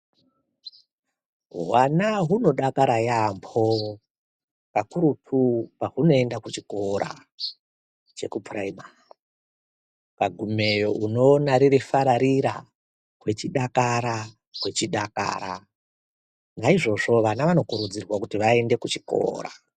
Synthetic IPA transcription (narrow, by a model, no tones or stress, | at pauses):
ɦwanaɦuno̞ɗakaɾajambʰo̞ | kakuɾutʰupaɦuno̞endakut͡ʃiko̞ɾʔa̰ | t͡ʃe̞kupʰuraima | kaɡʱume̞jo̞ʔuno̞ːnaɾiɾifaɾaɾiɾa̰ | ɦwe̞t͡ʃiɗakaɾa | kwe̞t͡ʃiɗaka̰ːɾa | naiʐo̞ʐo̞ʋanaʋano̞kuɾud͡zirwakutiʋae̞nde̞kut͡ʃi̥ko̞̰ːɾa̰